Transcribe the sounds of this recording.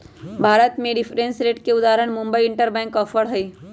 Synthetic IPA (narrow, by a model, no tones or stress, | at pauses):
bʱaːɾət̪mẽɖɪpʰɾẽnsɾeːʈkeʊd̪aːɾəɳ̃mʊ̃mbəiɪɳʈəɾbɛ̃ːŋkɔːfʰəɽɦəi